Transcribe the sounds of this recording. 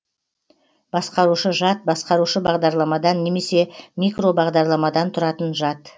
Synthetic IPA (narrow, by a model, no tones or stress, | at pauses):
b̥ɑsqɑɾuʃəʒɑt̪̚bɑsqɑɾuʃəbɑʁd̪ɑɾlˠɑmɑd̪ɑnːe̞me̞se̞mʲikro̞bɑʁd̪ɑɾlˠɑmɑd̪ɑnt̪ʰʊɾɑt̪ənʒɑt̪